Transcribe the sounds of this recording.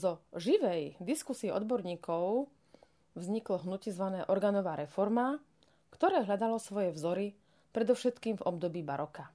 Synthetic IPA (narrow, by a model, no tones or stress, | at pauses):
zɔʒiʋɛjd̪iskusiɛɔ̰d̪bɔɾɲiːkɔʊ | vzɲiklɔɦnucizʋanɛːʔɔɾɡaːnɔʋaːɾɛfɔɾma | kt̪ɔɾɛːɦʎad̪alɔsʋɔjɛvzɔɾi | pɾɛd̪ɔʊʃɛt̪kiːmvɔb̚d̪ɔbiːbaɾɔka